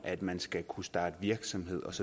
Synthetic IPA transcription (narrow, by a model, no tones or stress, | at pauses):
ʔæd̥mænsɡ̥ækʰusd̥ɑ̈ːd̥əʋiɐɡ̥sɒ̽mhe̝ð̰ˠɒ̽sɒ̽